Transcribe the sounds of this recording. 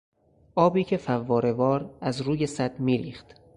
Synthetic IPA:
ʔɒːbiːcʰe̞fævːɒːɾe̞vɒːɾæzɾuːje̞sæd̪̥miːɾḭːχt̪

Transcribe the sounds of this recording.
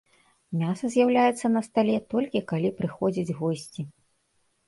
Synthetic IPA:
mʲasɐzʲjawlʲajɛt̪sːɐnɐst̪alʲɛt̪ɔlʲkʲikalʲipɾɨxɔd͡zʲid͡zʲɣɔsʲt͡sʲi

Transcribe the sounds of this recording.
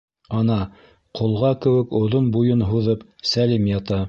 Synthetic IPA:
ɑnɑ | qʰŏlˠʁɑkɘ̆wɘ̆kŏðonbujɤnɦuðɤpsælimjɑt̪ɑ

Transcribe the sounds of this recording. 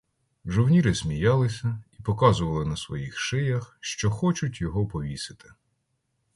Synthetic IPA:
ʒɔwnʲiɾɪsʲmʲijɑlˠɪsʲɐipɔkɑzʊʋɐlˠɪnɐsʋɔjixʃɪjɐxʃt͡ʃɔxɔt͡ʃʊtʲjɔɦɔpɔʋʲisɪ̥t̪ɪ̥

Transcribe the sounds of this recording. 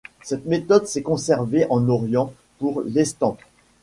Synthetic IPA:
sɛt̪met̪ɔd̪sɛkɔ̃sɛʁveʔɑ̃nɔʁjɑ̃ | puʁlɛst̪ɑ̃p

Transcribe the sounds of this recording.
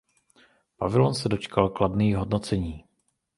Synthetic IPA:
pavɪlonsɛdo̞t͡ʃkalkladniːɦo̞dnot͡sɛɲiː

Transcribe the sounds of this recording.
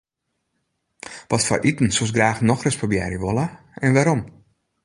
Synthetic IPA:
ʋɔtfɔ̰rʔitn̩sus̬ɡraːxnɔxrəspobjɛ̰ɾjəʋolə | ɛnʋaɾɔm

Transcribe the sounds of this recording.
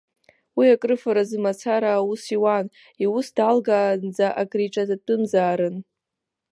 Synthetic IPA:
wiakʼrɨfaɾazɨmat͡sʰaɾaːusiwan | iwusdalɡaːnd͡zaʔakʼriʈ͡ʂʼazatʼɨmzaːɾɨn

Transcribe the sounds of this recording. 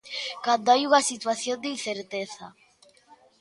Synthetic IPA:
kand̪oajuŋasit̪waθjond̪einθeɾt̪eθa̰

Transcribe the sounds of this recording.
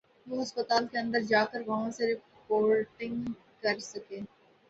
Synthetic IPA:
ʋoːɦɐspət̪aːlkeɐ̃nd̪əɾd͡ʒaːkəɾʋɐɦãseɾɪ | poːɾʈɪ̃ŋɡ | kɐɾsɐkeː

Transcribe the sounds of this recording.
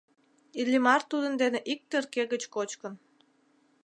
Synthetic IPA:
ilʲːimɑrt̪ud̪ənd̪eneʔik̚t̪erkeɣət͡ɕkot͡ɕkən

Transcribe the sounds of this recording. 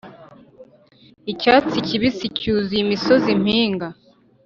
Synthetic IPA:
icaːt͡siciβisicuzimiso̞zim̥hiːŋɡa

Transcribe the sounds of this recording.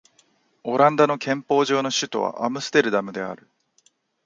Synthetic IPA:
o̞ɾãnd̪ano̞kʰẽ̞mpo̞ːʑo̞ːno̞ɕɨt̪o̞̰βa̰ʔamɯ̟sɨ̥t̪e̞ɾɯ̟d̪amɯ̟d̪e̞a̰ɾɯ̟

